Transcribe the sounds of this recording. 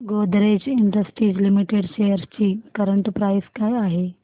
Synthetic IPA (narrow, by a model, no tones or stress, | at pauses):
ɡod̪ɾet͡ɕiɳɖəsʈɾiːd͡ʑlimiʈeɽɕejəɾst͡ɕiːkəɾəɳʈpɾajskajaɦe